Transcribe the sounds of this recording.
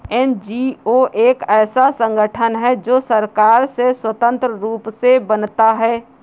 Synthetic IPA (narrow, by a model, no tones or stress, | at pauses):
ɛnd͡ʒioʔeːkɛːsasə̃ŋɡəʈʰənɦɛd͡ʒoːsəɾkaːɾseswət̪ə̃nt̪ɾəɾuːpsebənt̪aɦɛː